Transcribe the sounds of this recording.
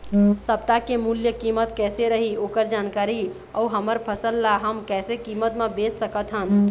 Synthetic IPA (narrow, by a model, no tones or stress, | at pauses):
səpt̪akemuljəkimət̪kɛseɾəɦiokəɾd͡ʒankaɾi | əuɦəməɾpʰəsəlːaɦəmkɛsekimət̪mẽbessəkət̪ɦən